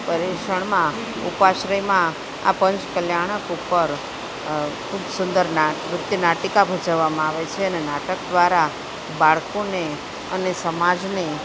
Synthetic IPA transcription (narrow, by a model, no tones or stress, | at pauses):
pəɾeʃəɳ̃mã | upaʃɾəjmã | a̰pəɲt͡ʃkəljaɽ̃əkupəɾ | kʰubsʊnd̪əɾnaɾʊt̪jənaʈikabʱəd͡ʒaʋːamãaʋet͡ʃʰeənenaʈəkd̪ʋaɾa | baɭkone | ənesəmad͡ʒne